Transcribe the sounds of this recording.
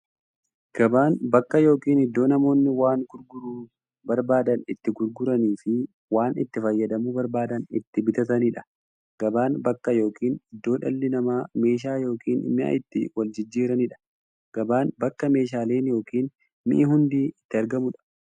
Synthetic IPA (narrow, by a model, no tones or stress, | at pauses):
ɡ̥ɐbaːnbɐkːɐjo̞ːkiːnɪd̪ːo̞ːnɐmo̞ːnːɪwaːŋɡʊɾɡʊɾuː | bɐɾbaːd̪ɐnɪt̪ːɪɡʊɾɡʊɾɐniːfɪ | waːnɪ̰t̪ːɪfɐjːɐd̪ɐmubɐɾbaːd̪ɐnɪ̰t̪ːɪbɪt̪ɐt̪ɐniᶑɐ̥ | ɡ̥ɐbaːnbɐkːɐjo̞ːkiːnɪd̪ːo̞ːᶑɐlːɪnɐmaːme̞ːʃ̬aːjo̞ːkʰiːnɪmɪʔɐ̰ʔɪt̪ːɪ̰wɐld͡ʒɪd͡ʒːiːɾɐnɪᶑɐ̥ | ɡ̥ɐbaːnbɐkːɐme̞ːʃ̬aːle̞ːnjo̞ːkiːn | mɪ̰ʔɪɦʊnd̪iːɪt̪ːɪɐɾɡɐmʊᶑɐ̥